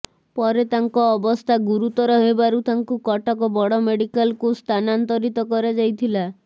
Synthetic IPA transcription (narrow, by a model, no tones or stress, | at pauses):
pɔɾet̪aŋkɔːbɔst̪ʰaɡuɾut̪ɔɾɔɦebaɾut̪aŋkukɔʈɔkɔbɔɽɔmeɽikalkust̪ʰanant̪ɔɾit̪ɔkɔɾed͡ʒajt̪ʰila